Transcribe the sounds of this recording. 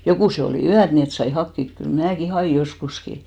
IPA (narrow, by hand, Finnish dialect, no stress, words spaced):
jokuˑse oliˑ yæt ni et sɑi hɑkːik kyl mnæːki hɑj̆iˑ joskuski